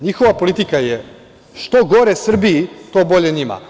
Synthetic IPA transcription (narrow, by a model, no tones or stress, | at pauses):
ɲixo̞ʋapo̞lit̪ikaje | ʃt̪oɡo̞ɾesr̩biit̪obo̞ʎe̞ɲima̰